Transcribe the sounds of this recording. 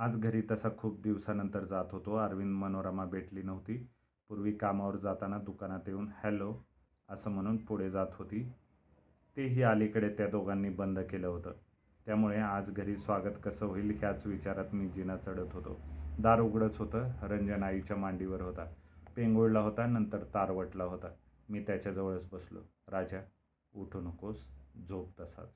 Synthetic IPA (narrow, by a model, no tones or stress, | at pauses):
ad͡zɡʱəɾiːt̪əsakʰuːp̚d̪iʋsanənt̪əɾd͡zat̪ɦot̪oəɾʋinmənoɾamabʱeʈliːnəʋt̪iː | puɾʋiːkamaʋəɾd͡zat̪anad̪ukanat̪euːnhɛlo | əsəːm̤əɽ̃uːnpuɽ̤ed͡zat̪ɦot̪iː | t̪eɦiːalikəɽet̪jad̪oɡanːiːbənd̪ʱkeləɦot̪əː | t̪jamuɭead͡zɡʱəɾiːsʋaɡət̪kəsəːʋoiːlɦjat͡sʋit͡ɕaɾat̪miːd͡ʑinat͡səɽət̪ɦot̪o̰d̪aɾuɡɽət͡sɦot̪əːɾəɲd͡ʑənait͡ɕjamaɳɖiʋəɾɦot̪apeŋɡoɽlaɦot̪anənt̪əɾt̪aɾʋəʈlaɦot̪a | miːt̪jat͡ɕjad͡zəʋəɭət͡sbəslo̰ | ɾad͡ʑja | uʈʰunkosd͡zʱop̚d̪əsa̰t͡s